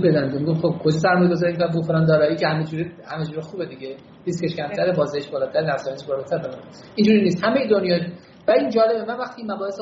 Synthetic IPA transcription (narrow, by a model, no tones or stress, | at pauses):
bed̪ænd̪omiɡofχob̚kʰo̞d͡ʒɒːs̬æɾmɒjeɡozɒːɾemik̪bufeɾɒːnd̪ɒːɾɒːiːcʰehæmed͡ʒuːɾihæmed͡ʒuːɾixuːbed̪iɟe | liskeʃcʲʰæmt̪ʰæɾebɒːzɛjiʃbɒːlɒt̪ʰæɾenæfsɒːjneʃbɒːlɒt̪ʰæɾbelɒn | ind͡ʒuːɾiniːst̪hæmejed̪onjɒː | væind͡ʒɒːle̞bevævæχt̪ʰiːmæbɒːhes